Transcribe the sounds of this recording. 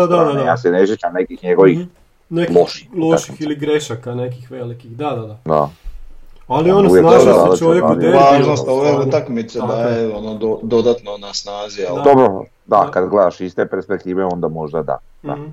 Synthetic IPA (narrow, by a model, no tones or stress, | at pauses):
d̪aja̰seneʃ̬jet͡ʃamnekixɲeɡo̞ʋi | neloʃi̥loʃixiliɡɾeʃakanekixʋelikixd̪ad̪ad̪ad̪a̰ | alionuʋjekoad̪t͡ʃoʋjeaeaʒnost̪oʋeɾet̪akmit̪sed̪ajeonod̪od̪od̪at̪nonasnaːziald̪obɾo | d̪akad̪ɡled̪aʃist̪epeɾspek̚t̪iːʋeo̞nd̪amo̞ʒd̪ad̪a̰ | a̰